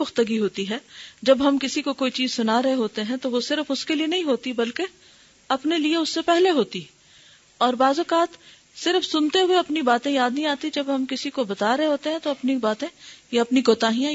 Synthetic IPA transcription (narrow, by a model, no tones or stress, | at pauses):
ʊxt̪əɡiɦoːt̪iɦɛːd͡ʒɐbɦɐmkɪsikokoːit͡ʃiːzsʊnaɾɐɦeɦoːt̪eɦɛ̃t̪oʋosɪɾəfʊskelienɐɦĩɦoːt̪ibɐlke | ɐpnelieʊsːepɛɦleɦoːt̪i | ɔːɾbaːzɔːkaːt̪ | sɪɾəfsʊnt̪eɦʊeɐpnibaːt̪ẽjaːd̪nɐɦĩaːt̪id͡ʒɐbɦɐmkɪsikobɐt̪aːɾɐɦeɦoːt̪eɦɛ̃t̪oɐpnibaːt̪ẽjeɐpnikoːt̪aːɦijã